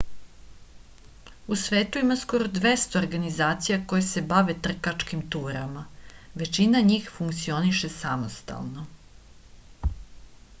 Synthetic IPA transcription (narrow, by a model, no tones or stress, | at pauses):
usʋe̞ːt̪uimasko̞ɾo̞d̪ʋest̪o̞ːɾɡanizaːt̪sijako̞jese̞baʋet̪r̩kat͡ʂkimt̪uːɾamaʋe̞t͡ʃinaɲiːxfuŋkt̪sio̞niʃe̞samost̪a̰lˠno̞